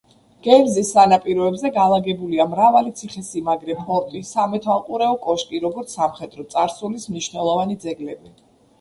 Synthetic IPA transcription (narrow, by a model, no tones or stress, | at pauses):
ɡ̥ɛɾzisːanapʼiɾɔɛbzɛɡalˠaɡɛbuliamɾavalit̪sʰiχɛsimaɡɾɛpʰɔɾt̪ʼisamɛt̪ʰwalˠqʼuɾɛɔkʼɔʃkʼiɾɔɡɔɾt̪sʰsamχɛd̪ʼɾɔt̪sʼaɾsulismniʃnɛlˠɔvanid̪zɛɡlɛbi